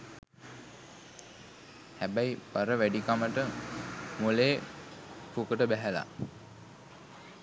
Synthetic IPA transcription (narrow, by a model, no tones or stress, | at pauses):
hæbæjpaɾəʋæɖikaməʈə | muleː | pukəʈəbæɦæla̰